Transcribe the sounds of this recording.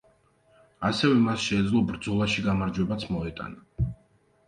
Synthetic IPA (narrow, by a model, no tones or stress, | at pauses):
asɛvɛmasʃɛːd̪zlˠɔbɾd̪zɔlˠaʃiɡamaɾd͡ʒwɛbat̪sʰmɔɛt̪ʼa̰na